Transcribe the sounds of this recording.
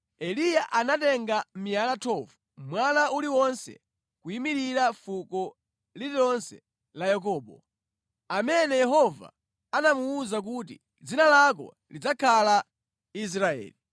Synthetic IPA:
ɛlijaʔanatɛŋɡam̩mialatʰɔvu | mwanauliwɔnsɛ̰ | kuimiɾiɾafukɔ | lilɔnsɛ̰ | lajak̬ɔːɓɔ̰ | amɛnɛjɛɦɔva̰ | anamuːzak̬utḭ | d͡zinalak̬ɔ̰ | lid͡zakʰala | is̬ɾaɛ̰ːli

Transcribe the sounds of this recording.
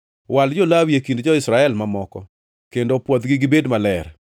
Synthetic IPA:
wald͡ʒolawjekindd͡ʒɔɪsɾaɛlmamɔkɔ | kendopwɔd̪ɡiɡɪbedmalɛɾ

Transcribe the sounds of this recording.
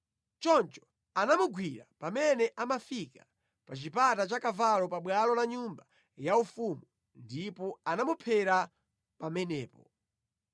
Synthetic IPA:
t͡ʃɔnt͡ʃɔ̥ | anamuɡwiɾa̰pamɛnɛʔamafikḁ | pat͡ʃipatat͡ʃakavalɔpaɓwalɔlaɲumba | jaufumu | ndipɔanamupʰɛɾa | pamɛnɛːpɔ

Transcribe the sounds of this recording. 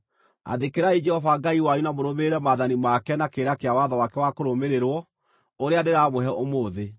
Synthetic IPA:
a̰ðekeɾaid͡ʒɛhɔvaɡaiwajunamoɾomeɾɛmaðanimakɛnakeɾakeawaðɔwakɛwakoɾomeɾeɾwɔ | oɾeandeɾamoɦɛʔomoːðe

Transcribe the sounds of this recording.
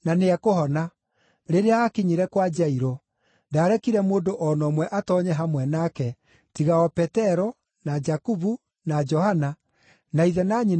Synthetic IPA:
naneɛkohɔna | ɾeɾeaːkeɲiɾɛkwad͡ʒaiɾɔ | ndaːɾɛkiɾɛmoːdoʔɔnɔmwɛʔatɔːɲɛɦamwɛnakɛ | tiɣaɔpɛtɛɾɔ | nad͡ʒakuβu | nad͡ʒɔhana | naiðɛnaɲi

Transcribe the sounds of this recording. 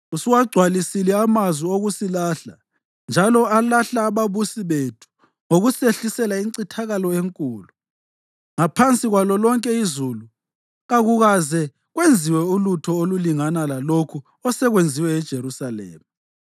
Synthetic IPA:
usiwaɡ͡ǀʱwalisilɛamazwioɣusilaɬa | nd͡ʒʱalɔalaɬaːβaβusiβetʰu̥ | ŋoɣuseɬisɛlaiǀitʰaɣalɔeŋkʼuːlu | ŋapʰant͡sʼiɣwalɔlɔŋkʼɛizulu | ɣaɣuɣazɛ | ɣwend͡zʱiwɛulutʰɔoluliŋanalalokʰu | ɔsɛɣwend͡zʱiwɛːd̥ʒ̥ʱeɾusalɛ̰ːma

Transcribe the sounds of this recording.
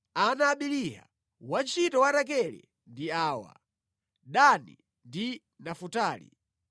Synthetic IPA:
anaːɓiliɦa̰ | want͡ʃitɔwaɾak̬ɛlɛ̰ | ndiaːwa̰ | ɗanḭ | ndi | nafutaːlḭ

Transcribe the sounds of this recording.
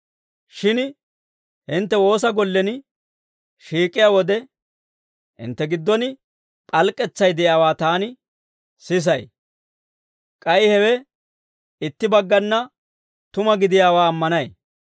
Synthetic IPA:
ʃɪn | hɪnt̪ːɛwo̞ːs̬ɐɡɔlːɛnɪ | ʃiːkʼːɪjaːwɔd̪ɛ | ʔɪ̰nt̪ːɛɡɪd̪ːɔnɪ | pʼɐlkʼɛt͡sːɐjd̪ɛjaːwaːt̪aːnɪ | sɪs̬ɐj | kʼɐjɪhɛwɛ | ɪt̪ːɪbɐɡːɐnːɐ | t̪ʊmɐɡɪd̪ɪjaːwaːmːɐnɐj

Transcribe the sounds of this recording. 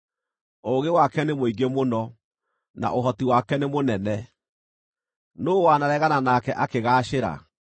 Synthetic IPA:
oɣewakɛnemoiɡemonɔ | na̰ʔoɦɔtiwakɛnemonɛnɛ | noːwanaɾɛɣananakɛʔakeɣaːɕeɾa̰

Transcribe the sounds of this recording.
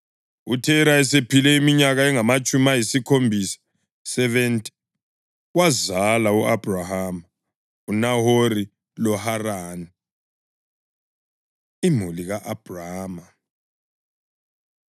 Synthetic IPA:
utʰɛɾaɛsepʰilɛimiɲaɣaɛŋamat͡ʃʼumajisikʰombʱisḁ | sɛvɛntʼi̥ | ɣwazalauab̥ʱrahama | unahori | lɔharaːni | imuliɣaʔab̥ʱraːma

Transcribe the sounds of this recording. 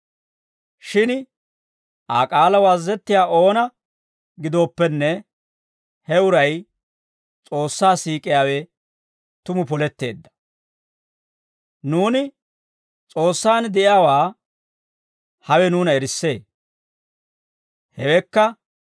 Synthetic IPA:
ʃɪn | ʔaːkʼaːlɐwaːzːɛt̪ːɪjaːʔo̞ːnɐ | ɡɪd̪o̞ːpːɛnːɛ | hɛʊɾɐj | t͡sʼo̞ːsːaːsiːkʼɪjaːwɛ | t̪ʊmʊpɔlɛt̪ːe̞̰ːd̪ːɐ̥ | nuːnɪ | t͡sʼo̞ːsːaːnd̪ɛʔjaːwaː | hɐwɛnuːnɐɛɾɪsːe̞ː | hɛwɛkːɐ

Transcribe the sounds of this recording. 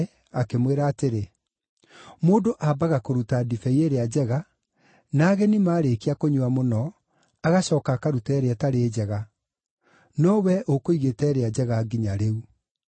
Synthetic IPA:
akemweɾaːteɾe | moːdoʔabaɣakoɾutadifɛieɾead͡ʑɛɣa | naːɣɛnimaːɾekiakoɲuamonɔ | aɣaɕɔːkakaɾutɛɾeɛtaɾeːd͡ʑɛɣa | nɔwɛʔokoiɣetɛːɾead͡ʑɛɣaːɡiɲaɾeu

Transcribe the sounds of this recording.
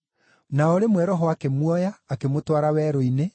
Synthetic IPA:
naɔɾemwɛɾɔɦɔakemwɔjaːkemotwaɾawɛːɾoine

